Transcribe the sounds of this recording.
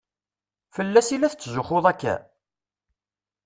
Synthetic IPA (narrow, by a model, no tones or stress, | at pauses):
fəlːæsilæθt͡sːzʊχoðˤækːæ̰